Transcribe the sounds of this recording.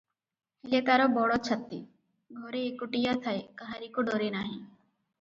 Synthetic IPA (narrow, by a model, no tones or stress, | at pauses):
hilet̪aɾɔbɔɽɔt͡ʃʰɐt̪ːi | ɡʱɔɾeːkuʈijat̪ʰaekaɦaɾikoɖɔɾenaɦĩ